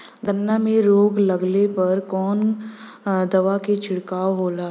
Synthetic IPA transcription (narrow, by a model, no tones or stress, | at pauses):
ɡənːamẽɾoːɡlɐɡlepɐɾkɔːn | d̪ɐʋaket͡ʃʰɪɽkaːoɦoːlaː